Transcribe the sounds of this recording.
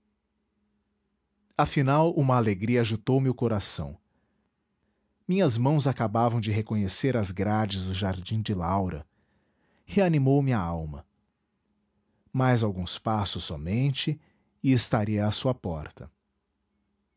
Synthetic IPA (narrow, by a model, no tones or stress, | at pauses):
afinawũmɐːleɡɾiɐaʒut̪owmɪʊkoɾasɐ̰̃w̃ | mĩɲɐzmɐ̃w̃zakabavɐ̃w̃d͡ʒɪɦekõɲeseɾɐzɡɾad͡ʒɪzd̪ʊʒaɾd͡ʒĩd͡ʒɪlawɾɐ̰ | heanimowmɪaawmɐ̰ | majzawɡũspasʊsːɔmẽnt͡ʃɪ | ɪɪst̪aɾiɐːsuɐpɔɾt̪ɐ